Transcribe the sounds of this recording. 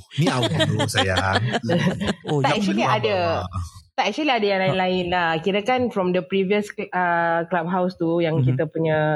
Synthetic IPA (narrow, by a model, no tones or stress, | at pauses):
miausaja | aɛk̚t͡ʃəliadə | t̪aɛk̚t͡ʃəliadajãŋlainlaɪnlakiɾakanfɾɔmdəpɾiviəsəklab̚ɦawst̪ujaŋkit̪əpuɲə